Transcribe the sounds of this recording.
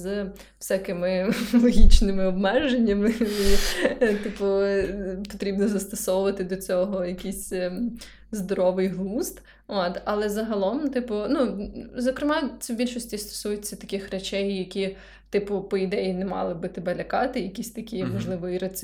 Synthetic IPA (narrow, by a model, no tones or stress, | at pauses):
z | wsʲakɪmɪlˠɔɦʲit͡ʃnɪmɪɔbmɛʒenʲːɐmɪit̪ɪpʊ | pɔt̪ɾʲibnɔzɐst̪ɔsɔwʊʋɐt̪ɪd̪ɔt͡sʲɔɦɔjɐkʲisʲ | zd̪ɔɾɔʋɪjɦlˠust̪ | ot̪ɐlˠɛzɐɦɐlˠɔmt̪ɪpʊnuzɔkɾɪmɑt͡sʲɛbʲilʲʃɔsʲtʲist̪ɔ̥sujʊt͡sʲːɐt̪ɐkʲɪxret͡ʃɛjːɐkʲi | t̪ɪpʊpɔid̪ɛjinɛmɑ̰lˠɪbɪt̪ɪbɛlʲɐkɑt̪ɪjɐkʲisʲt̪ɐkʲiʋɐʒlˠɪʋɔjɾɐt͡sʲ